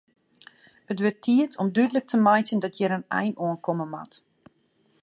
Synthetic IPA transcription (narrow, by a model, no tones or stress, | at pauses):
ətʋøtʰːiətʰɔmdydələk̚tʰəmajtəndɔtʰjəɾənɛ̰jnoənkɔməma̰t